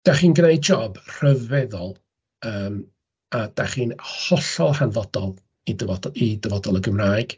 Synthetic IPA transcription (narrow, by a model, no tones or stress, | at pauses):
d̥aχiːnɡrejd͡ʒɔbr̥əvɛðɔlˠ | əːm | ad̥aχiːnhɔɬɔlˠhanvɔdɔlˠ | idəvɔdidəvɔdɔlˠəɡəmraːjɡ̥